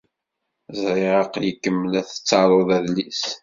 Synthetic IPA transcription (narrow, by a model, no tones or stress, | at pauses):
zɾɪʁɑqjəkːəmːəlæθə̥t͡sːɑɾˤoðæðlis